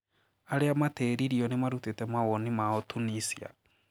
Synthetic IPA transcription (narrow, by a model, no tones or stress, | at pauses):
aɾeamatɛɾiɾiɔnemaɾutetɛmawɔnimaɔtunisia̰